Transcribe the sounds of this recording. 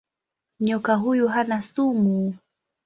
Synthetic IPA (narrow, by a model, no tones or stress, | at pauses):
ɲɔkaɦujuɦanasumu